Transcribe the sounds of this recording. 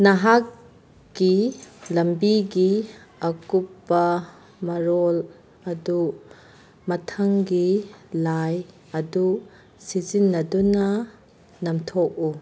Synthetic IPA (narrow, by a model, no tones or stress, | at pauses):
nɐɦakː | ilɐmbiɡiɐkupːɐ | mɐɾɔl | ɐdu | mɐtʰɐŋɡilaj | ɐdu | sizinːɐdunɐ | nɐmtʰɔk̚u